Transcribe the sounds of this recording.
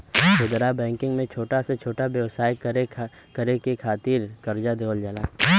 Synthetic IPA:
bʊd̪ɾabɛ̃ːŋkɪ̃ŋɡmẽt͡ʃʰoːʈaset͡ʃʰoːʈabjəʋsaːjɾe | kəɾekekʰaːt̪iːɾkɐɾd͡ʒad̪oːld͡ʒalaː

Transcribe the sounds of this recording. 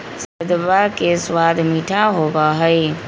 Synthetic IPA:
sɐbd̪bakeswad̪miʈʰaɦobaɦəj

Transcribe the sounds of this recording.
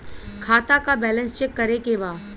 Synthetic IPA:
kʰaːt̪akabɛːlə̃nst͡ʃɛkːɐɾekeʋaː

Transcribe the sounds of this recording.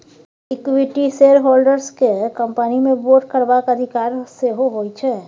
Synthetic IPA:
ɪkwiʈiseːɾɦoːlɖəɾskekə̃mpənimẽboːɾʈ̚kəɾbakəd̪ʱɪkaːɾseɦoɦoit͡ʃʰɛː

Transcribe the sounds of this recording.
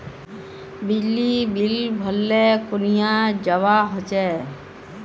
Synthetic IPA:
bid͡ʒlːibilbʱəlːekunijad͡ʒəʋaɦɔt͡ʃɛ

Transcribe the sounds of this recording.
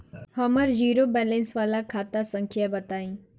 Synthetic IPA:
hɐməɾd͡ʒiːɾobɛːlẽnsʋaːlakʰaːt̪asə̃ŋkʰjabɐt̪aːĩː

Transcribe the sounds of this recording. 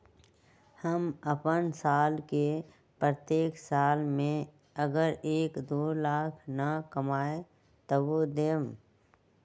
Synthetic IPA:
həməpənsaːlke | pɾət̪jeːksaːlmẽ | əɡəɾeːkd̪oːlaːkʰnəkəmaːe | t̪ɔʋod̪eːm

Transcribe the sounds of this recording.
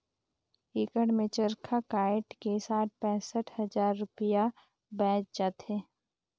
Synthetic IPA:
ɪkəɽmẽt͡ʃəɾkʰakaːɪʈkesaːʈ̚pɛ̃ːsəʈʰhəzaːɾːʊpɪja | bɛ̃ːt͡ʃd͡ʒaːt̪eː

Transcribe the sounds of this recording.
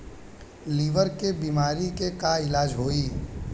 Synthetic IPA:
liːʋəɾkebiːmaːɾikekaɪlaːd͡ʒɦoːiː

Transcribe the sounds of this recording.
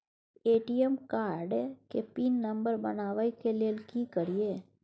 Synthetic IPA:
eʈiemkaɾɖekepinːəmbəɾbə̰naʋaikelelkikəɾije

